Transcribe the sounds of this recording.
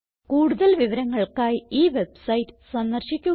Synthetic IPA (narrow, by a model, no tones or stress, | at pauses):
kuːɽuðɐlʋiʋɐɾɐŋːɐɭkaːjiːʋebsɐjtːɨ̥sɐnːɐrɕikʲːu